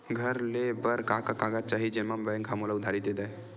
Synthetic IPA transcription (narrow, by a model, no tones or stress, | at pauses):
ɡʱəɾlebəɾkakakaɡat̪̚t͡ʃaɦid͡ʒenmambəjŋkʰamolaʊd̪ʱaɾit̪d̪ed̪aj